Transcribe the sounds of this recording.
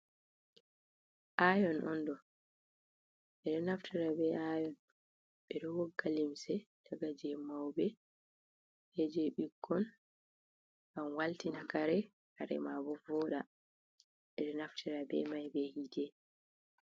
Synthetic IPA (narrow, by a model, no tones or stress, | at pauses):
ʔajɔnʔɔndɔ | ɓɛɗɔnaftiɾabɛajɔn | ɓɛɗɔwɔɡːalimsɛdaɡad͡ʒɛmawbɛ | hɛd͡ʒɛɓiɡːɔn | ɡamwaltinakaɾɛ | kaɾɛ̰mabɔvɔɗa | ɓɛɗɔnaftʰiɾabɛ̰majbɛhidɛ